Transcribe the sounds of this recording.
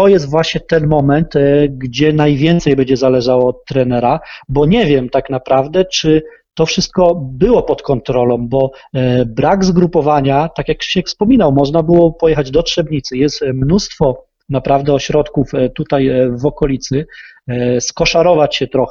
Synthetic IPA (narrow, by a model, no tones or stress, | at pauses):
t̪ɔjɛst̪vwaɕɲɛt̪ɛnmɔmɛnt̪ɡd͡ʑɛnajvʲjɛnt̪sɛjbɛɲd͡ʑɛzalɛʐawɔːt̪ːɾɛnɛɾabɔɲɛvʲjɛmt̪aknapɾavd̪ɛt͡ʂɘ | t̪ɔfʂɘst̪̚kɔbɘwɔpɔt̪kɔnt̪ɾɔlɔ̃mbɔbɾaɡzɡɾupɔvaɲat̪akʲjakɕɛkfspɔmʲinawmɔʐnabɘwɔpɔjɛxad͡ʑd̪ɔtʂɛbɲit̪sɘjɛst̪mnust̪fɔ | napɾavd̪ɛɔɕɾɔt̪kuft̪ut̪ajvɔkɔlʲit̪sɘ | skɔʂaɾɔvat͡ɕɕɛt̪ɾɔxɛ